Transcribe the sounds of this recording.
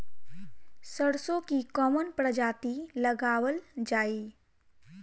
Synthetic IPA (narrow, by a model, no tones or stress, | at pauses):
səɽsõkikɔːmənpɾəd͡ʒaːt̪iləɡaːwəld͡ʒaːi